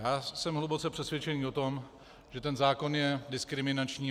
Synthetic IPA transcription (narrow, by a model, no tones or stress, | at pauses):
jaːsɛmɦlubo̞t͡sɛpr̥ɛsvjɛt͡ʃɛɲiːʔo̞t̪o̞m | ʒ̥ɛt̪ɛnzaːko̞njɛdɪskɾɪmɪnat͡ʃɲiː